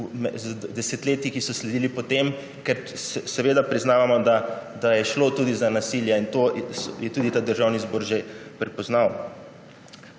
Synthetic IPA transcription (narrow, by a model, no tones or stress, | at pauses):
mɛzd̪ɛsɛt̪leːt̪ikisɔslɛd̪iːlipɔt̪em | kɛɾsɛsɛʋeːd̪apɾiznaːʋamɔd̪ad̪ajɛʃlot̪uːd̪izanasiljaint̪osjɛt̪uːd̪it̪aːd̪əɾʒawnizboːɾʒepɾɛpɔznaw